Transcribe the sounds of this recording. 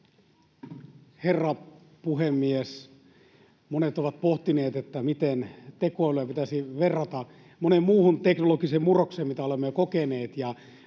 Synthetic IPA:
herːɑ | puhemːies | monet̪oʋɑt̪̚poht̪ineːt̪et̪ːæmit̪ent̪ekoɑløæpit̪æsiʋerːɑt̪ɑ | monemmuːhunt̪eknolokisemmurokseːmmit̪æolemːekokeneːt̪jɑ

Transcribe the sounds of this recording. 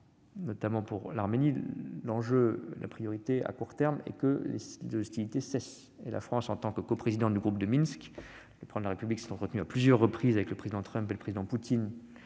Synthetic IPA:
nɔt̪amɑ̃puʁlaʁmenilɑ̃ʒølʔa̰pχijɔʁit̪ea̰kuʁt̪ɛʁmɛ̰kəlḛlezɔst̪ilit̪esɛs | ela̰fχɑ̃sɑ̃t̪ɑ̃kkopχezid̪ɑ̃d̪yɡʁup̚d̪əminsk | ləpχɑ̃d̪laʁepybliksɛ̥t̪ɑ̃t̪χət̪nyaplyzjœʁːəpχizavɛkləpχezid̪ɑ̃t̪χœ̃mpeləpχezid̪ɑ̃put̪in

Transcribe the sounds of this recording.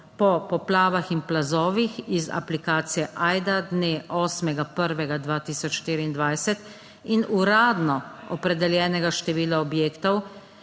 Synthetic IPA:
pɔpɔplaːʋaxinplazɔːʋixiza̰plikaːt̪sijɛʔaːjd̪ad̪neʔɔːsmɛɡapəɾʋɛɡad̪ʋaːt̪iːsɔt͡ʃʃt̪iːɾiind̪ʋajsɛt̪ | inuɾaːd̪nɔɔpɾɛd̪ɛljɛːnɛɡaʃt̪ɛʋiːlaɔbjeːkt̪ɔw

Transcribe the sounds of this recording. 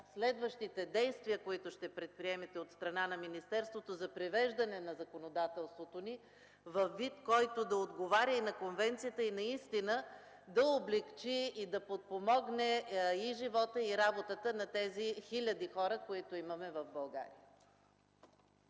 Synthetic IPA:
slɛd̪vəʃt̪it̪ɛd̪ɛjst̪viəkoit̪ʊʃt̪ɛpɾɛt̪̚pɾiɛmɛt̪ɛot̪st̪ɾɐnanɐminist̪ɛɾst̪vot̪ozɐpɾivɛʒd̪ɐnɛnɐzɐkonod̪at̪ɛlˠst̪vot̪oni | vɐfːit̪kɔjt̪od̪ɐod̪ɡovaɾʲəinɐkonvɛnt̪sijət̪əinɐist̪inə | d̪ɐoblɛkt͡ʃiːd̪ɐpot̪̚pomɔɡnɛiʒivɔt̪əiɾabot̪ət̪ənɐt̪ɛzixilʲɐd̪ixɔɾəkoit̪oimɐmɛvɐvbɐlˠɡa̰ɾḭə

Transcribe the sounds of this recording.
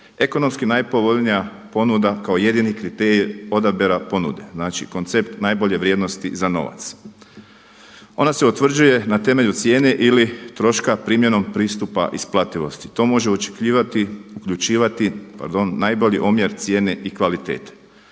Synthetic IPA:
e̞ko̞no̞mskinajpo̞ʋo̞ʎnija | po̞nud̪akaoje̞d̪inikɾit̪eɾio̞d̪abeɾapo̞nṵd̪e̞znaːt͡ʃḭko̞nt̪se̞pt̪najbo̞ʎe̞ʋɾje̞ːd̪no̞st̪ḭzano̞̰ʋa̰t̪s | o̞̰naseut̪ʋr̩d͡ʒuje̞nat̪e̞me̞ʎut̪sje̞ːne̞ʔilit̪ɾo̞ʃkapɾiːmje̞no̞mpɾiːst̪upa̰ʔisplˠat̪iʋo̞st̪i̥t̪o̞ːmo̞ʒeot͡ʃe̥kiat̪iukʎut͡ʃiːʋat̪ipa̰ɾd̪o̞nːajbo̞ʎiʔomje̞ɾt̪sje̞ːne̞ʔikʋalit̪e̞̰ːt̪e̥

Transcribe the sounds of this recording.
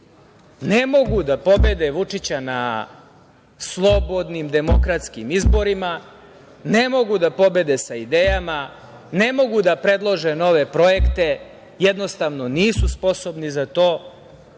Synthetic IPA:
nemo̞ɡud̪apo̞be̞d̪eʋut͡ʂit͡ɕana̰ | slˠo̞bo̞d̪nimd̪e̞mo̞̰kɾat̪skimizbo̞ɾima | ne̞mo̞ɡud̪apo̞be̞d̪esaid̪eːjama | ne̞mo̞ɡud̪apɾe̞d̪lˠo̞ʒeno̞ʋe̞pɾo̞jekt̪e̞ | jed̪no̞st̪aʋno̞niːsuspo̞sobnizat̪o̞ː

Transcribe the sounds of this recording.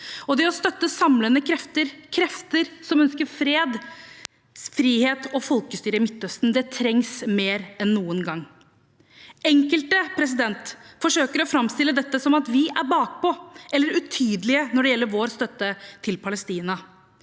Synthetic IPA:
ɔd̪ɛɔst̪œt̪ːəsɑmlənəkʰɾɛft̪əɾkʰɾɛft̪əɾsɔmœnskəɾfɾeːd̪ | fɾiːheːt̪ɔfɔlkəst̪yːɾəɪmɪt̪ːœst̪nd̪ɛt̪ʰɾɛŋsmeːɾɛnːuːənɡɑŋː | ɛŋkəlt̪əpʰɾɛs̬ɪd̪ɛnt̪fɔʂøːkəɾɔfɾɑmst̪ɪlːəd̪ɛt̪ːəsɔmɑt̪ʋɪæɾbɑːk̚pɔʔɛlːəɾʉt̪ʰyːd̪lɪənɔɖɛjɛlːəɾʋoːɾst̪œt̪ːət̪ʰɪlpʰɑləst̪iːnɑ

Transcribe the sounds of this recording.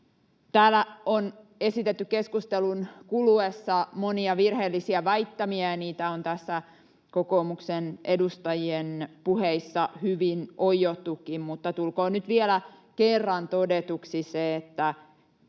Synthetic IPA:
t̪æːlːæonesit̪et̪ːykkeskust̪elunkuluesːɑmoniɑʋirheːlːisiæʋɑit̪ːɑmiæɑniːt̪æont̪æsːæ | kokoːmuksenʔedust̪ɑjienpuheisːɑhyʋinʔoijot̪ːukːimmut̪ːɑt̪ulkoːnyt̪ʋielæ | kerːɑnt̪odet̪uksiseːt̪ːæ

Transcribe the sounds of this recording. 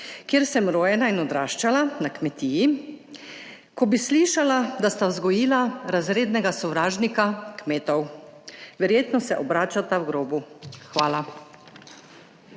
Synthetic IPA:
kjeːɾsɛmɾoːjɛnainɔd̪ɾaːʃt͡ʃalanakmɛt̪iːji | kɔbisliːʃalad̪ast̪awzɡɔjiːlaɾazɾeːd̪nɛɡasɔwɾaːʒnikakmeːt̪ɔw | ʋɛɾjeːt̪nɔsɛʔɔbɾaːt͡ʃat̪awɡɾoːbuxʋaːla

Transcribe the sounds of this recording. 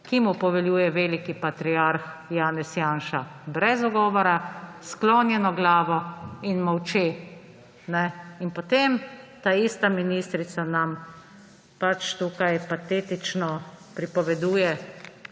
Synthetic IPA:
kimupɔʋɛljuːjɛʋeːlikipat̪ɾiaɾxjaːnɛsjaːnʃabɾɛzɔɡɔːʋɔɾaskloːnjɛnɔɡlaːʋɔinmɔwt͡ʃeː | nɛinpɔt̪emt̪aːist̪aminist̪ɾit̪sanam | pat͡ʃt̪uːkajpat̪eːt̪it͡ʃnɔpɾipɔʋɛd̪uːjɛ

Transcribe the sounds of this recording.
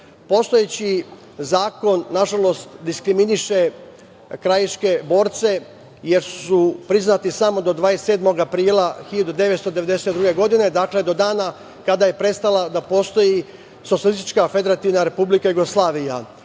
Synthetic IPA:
po̞st̪o̞jet͡ɕi | zaːko̞nːaʒalo̞st̪d̪iskɾiminiʃe̞ | kɾajiʃke̞bo̞ːɾt̪se̞ | je̞ɾsupɾiznat̪isamo̞d̪o̞d̪ʋaːest̪e̞ːd̪mo̞ɡapɾiːlˠaxiʎad̪ud̪e̞ʋe̞t̪st̪o̞d̪e̞ʋe̞d̪e̞se̞t̪d̪ɾuɡe̞ɡo̞d̪ine̞d̪akle̞d̪o̞d̪aːna | kad̪aje̞pɾe̞t̪st̪alˠad̪apo̞ːst̪o̞ji | sot̪sjalist̪i̥t͡ʃkafe̞d̪eɾat̪iʋnaɾe̞publikajuɡoslˠaːʋija

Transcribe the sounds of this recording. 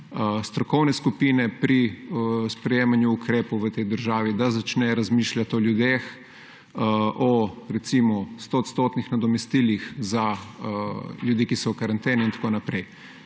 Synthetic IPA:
st̪ɾɔkɔwnɛskupiːnɛpɾispɾɛjeːmanjuːkɾeːpɔwʋət̪ɛjd̪əɾʒaːʋid̪azat͡ʃnɛɾazmiːʃlʲjat̪ɔljud̪eːx | ʔɔɾɛt̪simɔst̪oːt̪st̪oːt̪nixnad̪ɔmɛst̪iːlixza | ljud̪iːkisɔkaɾant̪eːnɛint̪ḁkoːnapɾɛj

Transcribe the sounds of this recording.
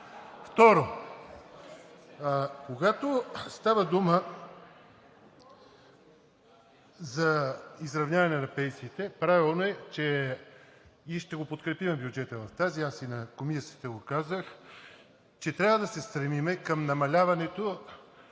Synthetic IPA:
ft̪ɔɾo | koɡat̪ost̪avəd̪umə | zɐizɾɐvnʲavɐnɛnɐpɛjsit̪ɛpɾavilˠnoɛt͡ʃɛ | iʃt̪ɛɡopot̪kɾɛpimɛbjud͡ʒɛt̪əvɐft̪aziasinɐkomisi̥t̪əɡokazəx | t͡ʃɛt̪ɾʲavəd̪ɐsɛst̪ɾɛmimɛkɐmnɐmɐlʲavɐnɛt̪o

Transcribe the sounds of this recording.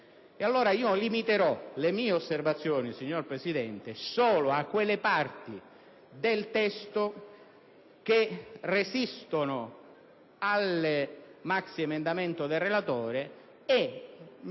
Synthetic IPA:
ealːoːɾaiːolimit̪eɾɔlemiːeosːervat̪sːjoːnisiɲːorpɾesid̪ɛnt̪esoːlʊakːwelːepart̪i | d̪elt̪ɛst̪ʊ | k̟eresist̪onʊ | al | maksiemend̪ament̪ʊd̪elrelat̪oːɾe | e

